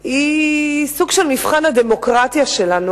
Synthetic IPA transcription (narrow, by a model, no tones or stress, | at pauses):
isuɡʃelmifχanad̪emo̞kʁat̪jaʃe̞lanu